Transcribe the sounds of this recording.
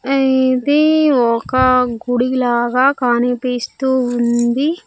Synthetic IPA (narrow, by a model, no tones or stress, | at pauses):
ɐit̪eːɔkɐɡuɽilaːɡaːkaːnipiːst̪uːund̪i